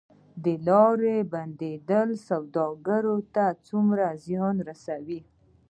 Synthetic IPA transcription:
d̪əlɑɾeband̪ed̪əlsawd̪ɑɡaɾot̪at͡sumɾazjɑnɾasawi

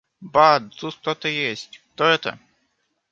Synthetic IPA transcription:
bad̪zust̪ɔt̪ɨjesʲtʲt̪ɔɛt̪ə̰

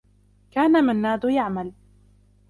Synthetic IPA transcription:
kaːnamanːaːd̪ʊjaʕmal

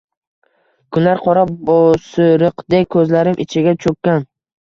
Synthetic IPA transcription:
kʰʊnlaɾqʰɒɾabosɪɾɨqd̪ekʲkʰɵzlaɾɪmʔɪ̰t͡ʃʰɪɡʲat͡ʃʰɵkʲːan

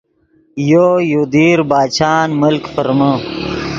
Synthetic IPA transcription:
jojod̪iːɾbaːt͡ɕʰaːnməlkfəɾmə

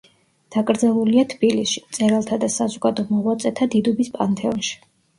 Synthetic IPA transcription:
d̪̥akʼɾd̪zɛlˠuliat̪ʰb̥ilisʃi̥mt̪sʼɛɾalˠt̪ʰad̪asazɔɡad̪ɔmɔʁwat̪sʼɛt̪ʰad̪id̪ɔbispʼa̰nt̪ʰʼɛɔnʃi̥

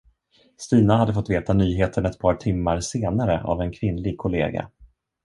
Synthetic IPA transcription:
st̪iːnaɦad̪ːəfɔt̪ːveːt̪anyːɦeːt̪ʰəɳɛt̪̚pʰɑːʈʰɪmːaɾseːnaɾəa̰vɛnkʰvɪnlɪɡ̚kʰʊlḛːɡa̰

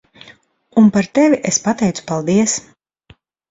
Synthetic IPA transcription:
unpaɾt̪ɛvʲiʔespat̪ɛjt̪su̥palˠd̪iɛs

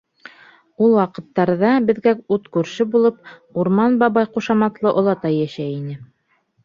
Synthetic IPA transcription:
ulˠwɑqɤ̆t̪ːɑɾðɑbɘ̆ðɡæut̪kʉɾʃɘbulˠɤp̚uɾmɑnbɑβɑjquʃɑmɑt̪lˠɤʔŏlˠɑt̪ɑjːæʃæinɘ

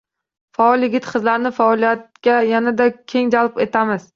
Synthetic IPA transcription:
faɒlˠjɪɡʲɪt̪qʰɨzlaɾnɪfaɒlˠijat̪kʲajanad̪akʲʰe̞ŋd͡ʒalˠpe̞t̪ʰamɪz̥

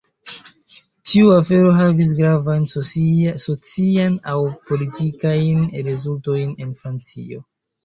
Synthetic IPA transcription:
tiuafe̞ɾo̞ɦavis̬ɡɾavajn | sot͡sianawpo̞litikajnɾezulto̞jne̞nfɾant͡sḭo̞

